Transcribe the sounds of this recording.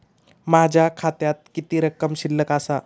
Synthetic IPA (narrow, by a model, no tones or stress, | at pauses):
mad͡ʑʱjakʰat̪jat̪̚kit̪iːɾəkəmɕilːəkasa